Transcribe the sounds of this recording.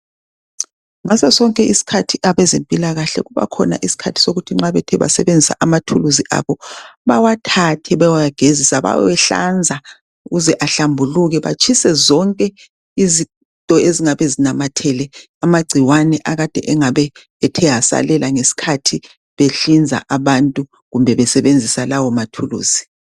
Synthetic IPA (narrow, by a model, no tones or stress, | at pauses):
ŋasasɔŋkʼɛʔisi̥kʰatʰiʔaβɛzempʼilaɣaɬɛ̰ɣuβa̰kʰɔ̰na̰ʔisi̥kʰatʰi̥soɣutʰiŋ͡ǁaβɛtʰɛβa̰sɛβend͡zʱisa̰ʔamatʰuluziʔa̰βɔβawatʰatʰɛβawajaɡ̥ʱezisaβa̰wɛɬa̰nd͡zʱa | uɣuzɛʔaɬambʱuluɣɛβa̰t͡ʃʰʼisɛzɔŋkʼɛ | izi | ntʼɔeziŋaβɛzinamatʰɛlɛ | amaɡ͡ǀʱiwanɛʔaɣad̥ʱɛʔɛŋaβɛː | tʰɛɦasa̰lɛlʔaŋesi̥kʰatʰi | βeɬind͡zʱa̰ʔaβantʼu | ɣumbʱɛβɛsɛβend͡zʱisalawɔmatʰulṵːz̥i